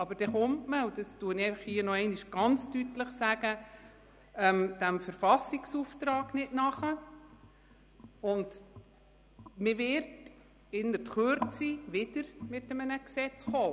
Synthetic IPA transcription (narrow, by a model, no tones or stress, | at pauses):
ɑbəɾd̥ɛχʊmtməud̥ɑstuənɛfəχhiənɔɛɪnɪʃɡ̥ɑnt͡stytləχsæɡ̥ə | ɛmd̥æmfəɾfɑsiksuːft̪ɾɑːɡnɪdnɑχə | ʊnd | mɪʋɪɾt | ɪnːəɾtχøɾt͡siʋɪd̥əɾmɪtːəmənəksɛt͡sχoː